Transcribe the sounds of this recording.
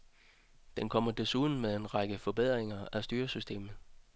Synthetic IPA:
d̥enkʰɒ̽m̰ɐd̥e̝suːðˠn̩meðˠe̝nʁɑ̈ɡ̥əfɒ̽b̥e̝ð̞̰ˠʁeŋɐæsd̥yːɐsysd̥e̝̰ːmð̩ˠ

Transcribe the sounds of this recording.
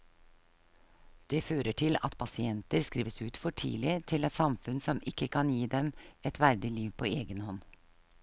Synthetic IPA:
d̪̥ɛːføːɾəʈʰɪlɑ̰t̪pʰɑsɪɛnt̪əɾskɾiːʋəsʉːt̪fɔʈʰḭːlɪt̪ʰɪlɛt̪sɑmfʉnsɔmɪkːəkʰɑnjiːd̪ɛmɛt̪ʰʋæɾd̪ɪliːʋpʰoːeːɡənhɔn

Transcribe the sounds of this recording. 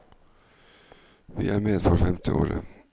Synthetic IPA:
vɪʔæɾmeːd̪fɔɾfɛmt̪ʰəʔoːɾə̰

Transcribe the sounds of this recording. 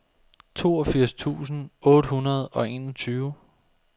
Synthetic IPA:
t͡sʰo̝̰ːɒfiɐ̰st͡sʰṵːsn̩ɔ̽ːɾ̥əhunɐð̞ˠɒ̽e̝nɒ̽t͡sʰyːʊ

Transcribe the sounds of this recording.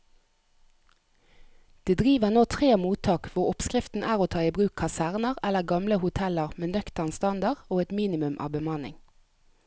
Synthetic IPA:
d̪̥eːd̪ʁiːʋəʁnoːt̪ʰʁeːmuːt̪ʰɑːkʋʊʁɔpskʁɪft̪n̩ʔæːʁoːt̪ʰɑːiːbʁʉːkʰɑsæʁnəʁɛləʁɡɑmləhʊt̪ʰɛləʁmeːnœkt̪əʁnst̪ɑnd̪ɑʁoːɛt̪miːnɪmʉmʔɑ̰ːʋbəmɑnɪ̰ŋ

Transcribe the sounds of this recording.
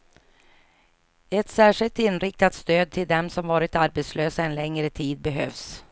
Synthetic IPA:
ɛt̪sæːʂɪlt̪ɪnɾɪk̚t̪at̪st̪øːd̪̚t̪ʰɪld̪ɛmsɔmvɑːɾɪt̪aɾbɛt̪sløːsaɛnlɛŋɾət̪ʰiːd̪̚bɛɦøːvs

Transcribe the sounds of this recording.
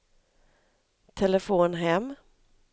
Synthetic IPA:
t̪ʰɛləfoːnɦɛmː

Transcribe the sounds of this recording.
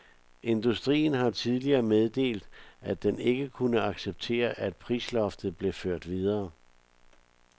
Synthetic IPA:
ʔe̝nd̥usd̥ʁḭːn̩ɦɑ̈t͡sʰið̞ˠliɐːmeð̞ˠd̥e̝̰ːld̥æd̥ene̝ɡ̥əkʰunəɑ̈ɡ̥seb̥̚t͡sʰe̝̰ːɐʔæd̥̚pʰʁiːslɒ̽fd̥ð̩ˠb̥le̝føɐ̰d̥ʋið̞ˠɐː

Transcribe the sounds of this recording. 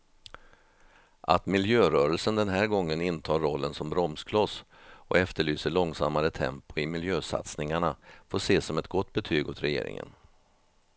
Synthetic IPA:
ʔa̰t̪mɪljøːɾœːɾəlsənd̪ɛnɦæːɾɡɔŋːənɪnt̪ʰɑːɾːɔlːənsɔmbɾɔmskʰlɔs | ʔɔ̰ɛft̪əɭyːsəɭɔŋsa̰mːaɾət̪ʰɛ̰mpʊɪmɪljøːsa̰t̪snɪŋaɳafoːʂeːsɔmɛt̪ɡɔt̪ːbɛt̪ʰyːɡʊt̪ɾɛjḛːɾɪ̰ŋə̰n

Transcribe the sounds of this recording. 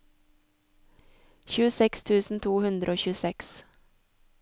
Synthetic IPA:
çʉːəsɛkst̪ʰʉːsn̩t̪ʰuːhʉnd̪ɾʔoːçʉːsɛks

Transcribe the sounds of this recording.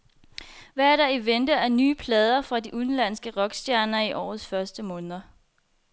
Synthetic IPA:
ʋææɐɾ̥ɑ̈iʋend̥əæɐnyːpʰlɛːð̞ˠɐfʁɑ̈diʔunlæn̰sɡ̥əʁɒ̽ɡ̥sd̥jæɐnɐiʔɒ̰ːðˠsfɶɐsd̥əmɔ̽ːnð̞ˠɐ

